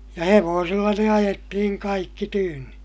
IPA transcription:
jɑ heʋoːsilːɑ ne ɑjetːihiŋ kɑikːi tyːnːi

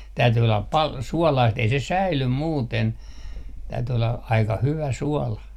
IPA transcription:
tæyty olːɑp pɑl suɔlɑist ei se sæilym muːten tæyty olːɑ ɑikɑ hyʋæ suɔlɑ

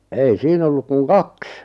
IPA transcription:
ei siːn olːuk kuŋ kɑks

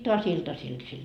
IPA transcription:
toɑs iltɑsil sil

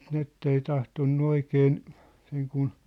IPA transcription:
nĭn etːei tɑhtonːu oikeːn seŋ kun

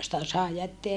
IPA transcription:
sitæ sɑˑe jætːeæ

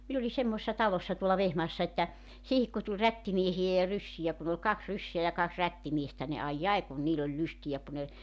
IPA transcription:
min oli semːoĕsːɑ tɑlosːɑ tuolːɑ ʋehmɑːsːɑ etːæ siːhik ku tulʲ rætːimiehijæ jɑ rysːijæ kun ol kɑks rysːeæ jɑ kɑks rætːimiestæ ni ɑijː ɑi kun niːl olʲ lystijæ ku ne

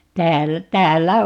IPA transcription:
tæːlːæ tæːlːæ

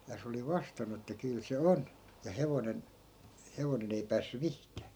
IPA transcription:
jɑ se oli ʋɑstɑnːu etːæ kyl se on jɑ heʋonen heʋonen ei pæːsːy mihkæː

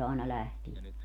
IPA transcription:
ɑenɑ læhtie

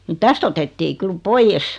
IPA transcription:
ni tæst otetːiː kyl poijeˑs

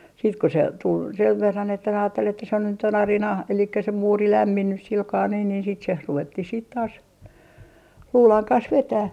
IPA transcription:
siːt ku se tul seʋ ʋerːɑn etːæ ɑːtːel etːæ se nyt on ɑrinɑ elikːæ se muːri læmːinːys silkɑː niː niːn sit se ruʋetːih siːt tɑːs luːlɑŋ kɑns ʋetæh

